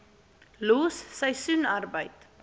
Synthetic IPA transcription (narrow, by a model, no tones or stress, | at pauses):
luːsːəjsunɐrbəjt